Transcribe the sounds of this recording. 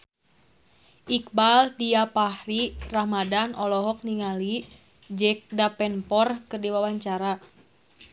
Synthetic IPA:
ʔik̚baldiapahrirahmadanʔɔlɔɦɔk̚niŋali | d͡ʒɛk̚dapɛnpɔrkərdiwawaɲt͡ʃaɾa

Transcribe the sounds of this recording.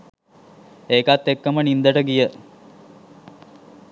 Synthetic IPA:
eːkat̪ːekːəmənind̪əʈəɡijə

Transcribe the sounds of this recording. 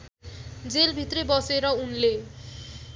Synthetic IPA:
d͡zelbʱit̪rebʌseɾʌunle

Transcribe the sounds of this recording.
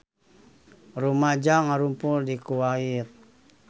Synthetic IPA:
rumad͡ʒaŋaɾumpuldikuwait̪̚

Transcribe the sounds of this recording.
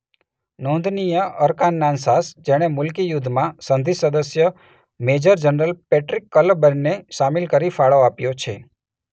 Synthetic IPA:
nõnd̪ʱnijəəɾkanːansasd͡ʒeɽ̃emʊlkijud̪ʱːmãsənd̪ʱisəd̪əsjə | med͡ʒəɾd͡ʒənɾəlpɛʈɾikːələbəɾneʃamɪlkəɾifaɭoapjot͡ʃʰe

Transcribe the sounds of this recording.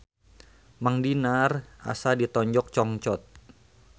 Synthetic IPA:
maŋdinara̰sadit̪ɔɲd͡ʒɔk̚t͡ʃɔŋt͡ʃɔt̪̚

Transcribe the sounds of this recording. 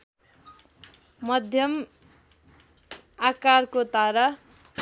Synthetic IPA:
mʌd̪ʱjʌm | akarkot̪aɾa

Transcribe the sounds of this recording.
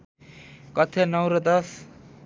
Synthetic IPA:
kʌt̪ʰenʌwɾʌt̪ʌs

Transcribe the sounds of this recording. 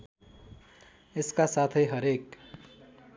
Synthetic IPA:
eskasat̪ʰʌjɦʌɾek

